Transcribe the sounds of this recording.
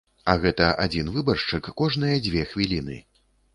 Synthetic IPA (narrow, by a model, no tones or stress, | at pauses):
ɐɣɛt̪ɐʔad͡zʲinvɨbɐrʂt͡ʂɨkːɔʐnɨjɐd͡zʲvʲɛxvʲilʲinɨ̰